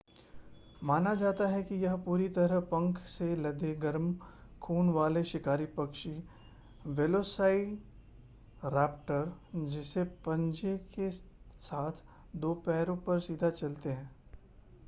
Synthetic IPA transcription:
maːnad͡ʒaːt̪aɦɛkijɐɦpuːɾit̪ɐɾəɦpɐ̃ŋkʰselɐd̪eɡɐɾmkʰuːnʋaːleʃɪkaːɾipɐkʃi | ʋeːloːsaːi | ɾɛːpʈəɾd͡ʒɪsepɐ̃ɲd͡ʒeke | saːt̪ʰ | d̪oːpɛːɾõpɐɾsiːd̪ʱat͡ʃɐlt̪eɦɛ̃ː

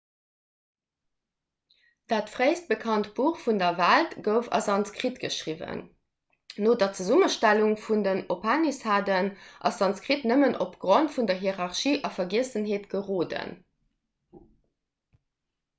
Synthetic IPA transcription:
d̥aːtfʁeɪst̚bəkʰɑntb̥uːχfundɐvæltɡ̥əʊfɑ̰sɑnskʁitɡ̥əʃʁivə̰nː | oːdɑt͡səzuməʃtæluŋfundənopʰanishaːdənʔɑ̰sɑnt͡skʁitnəmənʔopɡ̥ʁontfundɐɦiəʁɑχʃiːʔɑfɐɡiəsənɦeːtɡ̥əʁoːdə̰n

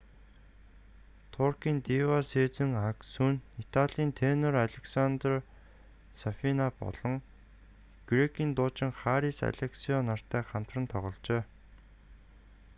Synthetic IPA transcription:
t̪ʰʊrkiːnt̪iwaseːt͡sɘ̆ŋaksunit̪ʰaɮiːnt̪ʰeːnɔraɮʲeksant̪r | safinapɔ̰ɮ̥ɞ̆ŋ | ɡ̥rekʰiːnt̪ʊːt͡ɕɪ̆ŋχaːɾiːsa̰ɮʲeksiɔnar̥t̪ʰæːχam̥t̪rə̆nt̪ʰɔʁɞ̆ɮt͡ɕeː

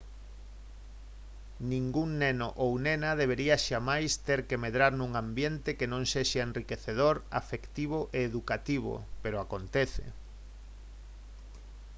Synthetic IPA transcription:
nĩŋɡuŋnenoʔownenɐðeβ̞eɾiɐʃamajst̪eɾkemeðɾaɾnũŋãmbjent̪ekenõŋseʃaenrikeθeð̞oɾa̰fekt̪iβ̞oʔeːðukat̪iβ̞o̰peɾoakont̪eθḛ

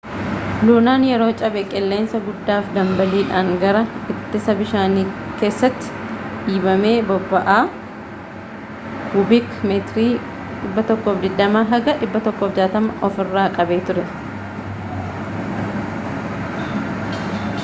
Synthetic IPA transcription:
luːnaːnjɛɾo̞ːt͡ʃʼɐbɛkʼɛlːe̞ːnsɐɡʊd̪ːaːfd̪ɐmbɐliːᶑaːŋɡɐɾɐɪt̪ːɪsɐbɪʃaːniːke̞ːsːɐt̪ːɪ̥ᶑiːbɐme̞ːbɔbːɐʔaː | khʊbikmeːt̪ɾiː | ᶑɪbːɐt̪ɔkːoːfd̪ɪd̪ːɐmaːɦɐɡɐᶑɪbːɐt̪ɔkːoːfd͡ʒaːt̪ɐmɐʔɔfɪrːaːkʼɐbe̞ːt̪ʊɾɛ

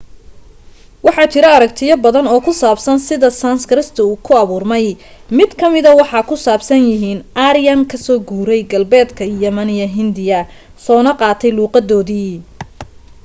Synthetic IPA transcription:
wɑħɑːt͡ʃʰɪɾɐɐɾɐkt̪ʰɪjɐbɐðɐnɔːkʰʊsaːbsɐnsɪðɐsɐnskɾɪst̪ʰɐuːkʰʊɐβuːrmɛj | mɪd̪kʰɐmɪðɐwɑħɑːkʰʊsaːbsɐnjɪɦiːnʔaːɾɪjɐnkʰɐsɔːɡuːɾɛjɡɐlbɛːd̪kʰɐjɐmɐnijɐɦɪnd̪ɪjɐ | sɔːnɐqɑːt̪ʰɛjluːqɑd̪ɔːðiː

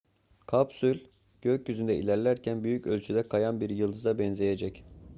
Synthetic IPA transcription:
kʰapsylʲ | ɟ̥øcjyzynd̪ɛḭlʲæɾlʲæɾcʰænbyjycølʲt͡ʃʰyd̪ɛkʰajanbiɾjɯlˠd̪ɯzabɛnze̞jed͡ʒɛc

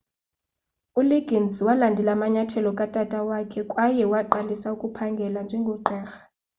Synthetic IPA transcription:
uliɡ̥ʱinswalandʱɛlaːmaɲatʰɛlɔkʼatʼatʼawakʰɛkʼwajɛwaǃalisaukʼupʰaŋɡʱɛland͡ʒʱɛŋɡʱɔǃɛːxḁ

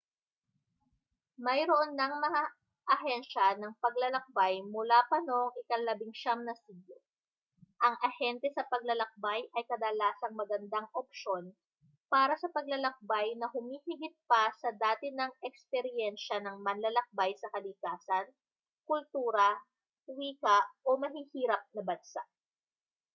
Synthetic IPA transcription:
mɐjɾoʔonːɐŋmɐŋa | ʔɐɦɛnʃɐnɐŋpɐɡlɐlɐk̚bajmʊlapɐnoʔŋʔɪkɐŋlɐbɪŋʃamnɐsido | ʔɐŋʔɐhɛnt̪ɛsɐpɐɡ̚lɐlɐk̚bajʔɐjkɐd̪ɐlaːsɐŋmɐɡɐnd̪aŋʔop̚ʃo̞n | paːɾɐsɐpɐɡ̚lɐlɐk̚bajnɐɦʊmiːhɪɡɪt̪̚pɐsɐd̪aːt̪ɪnɐŋɛkspɛɾjɛnʃɐnɐŋmɐnlɐlɐk̚bajsɐkɐlɪkaːsɐn | kʊlt̪uːɾɐ | wiːkɐʔo̞mɐɦiːhiːɾɐp̚nɐbɐnsaʔ

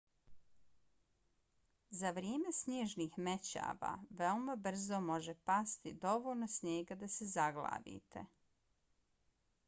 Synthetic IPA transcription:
zaʋɾjeːme̞sɲeːʒniːxmet͡ɕa̰ːʋa̰ʋeomabr̩zomo̞ʒepast̪id̪o̞ʋolʲnosɲeːɡad̪asezaɡla̰ːʋḭt̪ʰḛ

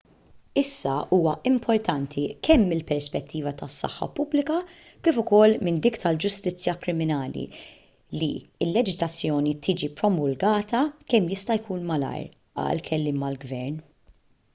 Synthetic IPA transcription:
ɪsːɐuːwɐɪmpʰɔɾt̪ɐnt̪ʰikʰɛmːɪlpɛɾspɛt̪ːiːvɐt̪ɐsːɐ̰ħːɐ̰pʊblɪkɐ | kɪːfʊkɔlːmɪnd̪iːkt̪ɐld͡ʒʊst̪ɪt͡sːjɐkɾɪmɪnɐːlḭ | liɪlːɛd͡ʒɪzlɐt͡sːjɔːnit̪ʰiːd͡ʒipɾɔmʊlɡɐːt̪ɐkɛmːjɪst̪ɐjkuːnmɐlɐ̰jɾ | ɐ̰lkʰɛlːɪːmɐlɡvɛɾn

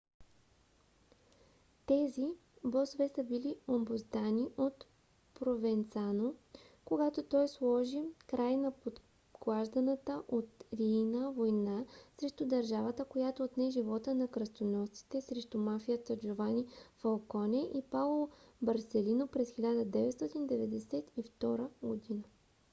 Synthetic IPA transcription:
t̪ɛzi | bɔsvɛsəbiliombozd̪aniʔot̪ | pɾovɛnt̪sanokoɡat̪ot̪ɔjslˠɔʒikɾajnɐpot̪ | ɡlˠaʒd̪ənət̪əʔot̪ɾiːnəvojnasɾɛʃt̪ʊd̪ɐɾʒavət̪əkojat̪oːt̪nɛʒivɔt̪ənɐkɾɐst̪onɔt̪i̥t̪ɛsɾɛʃt̪ʊmafijət̪əd͡ʒovanifɐlˠkɔnʲɛʔipalˠobɐɾsɛlinopɾɛsxilʲad̪əd̪ɛvɛt̪st̪ɔt̪ind̪ɛvɛd̪ɛsɛt̪ift̪ɔɾəɡod̪inə

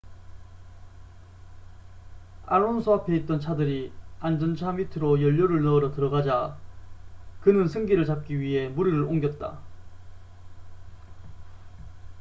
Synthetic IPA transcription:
a̰ɭonsʰoapʰe̞it̚t͈ʌnt͡ɕʰadɯɾiand͡ʑʌnt͡ɕʰamitʰɯɾojʌʎːoɾɯɭnʌɯɾʌtɯɾʌɡad͡ʑa | kɯnɯnsʰɯŋɡiɾɯɭt͡ɕap̚k͈iɥiɦe̞muɾiɾɯɾoŋɡjʌt̚t͈a̰

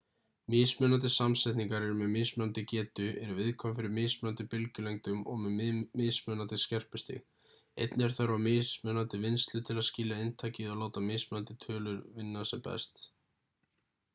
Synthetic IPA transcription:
mɪːsmœnant̪̬ɪsamsɛjt̪niŋkaɾɛɾʏmɛðmɪːsmœnant̪ɪcɛːt̪ʏʔɛɾʏvɪðkʰɔmfɪɾɪmɪːsmnant̪ɪpɪlcʏlejŋt̪ʏmɔɣmɛðmɪːsmœːnant̪ɪscɛr̥pʏst̪ɪ̰ɣ | ḛjt̪nɛɾ̥θaɾvamɪsmœːnant̪ɪvɪnst̪lʏt̪ʰɪlaðscɪːlaɪnt̪ʰaːjcɪðaloːwt̪amɪːsmœnant̪ɪ̥t̪ʰœːlʏɾvɪnːasɛpɛ̰st̪

